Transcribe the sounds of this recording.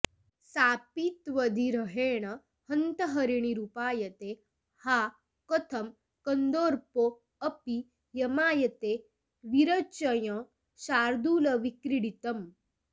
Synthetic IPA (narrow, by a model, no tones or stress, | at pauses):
saːpit̪ʋɐd̪ʱiɾɐɦeːɽ̃ɐ | hɐnt̪ɐɦɐɾiɳ̃iɾupaːjɐt̪e | haː | kɔt̪ʰɐm | kɐnd̪oːɾpo | ɐpi | jɐmaːjɐt̪e | ʋiɾɐt͡ʃɐjɐ̃ | ɕaːɾd̪uːlɐʋikɾiɽit̪ɐm